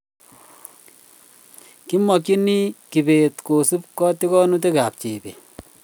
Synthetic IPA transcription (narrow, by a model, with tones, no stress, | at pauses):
ki˦mɔ˨ki˦ni˦ki˨pe˨tko˨su˦p̚kɔ˦ti˦kɔ˦nu˦t̬e˦ka˨p̚t͡ʃe˨bḛ˨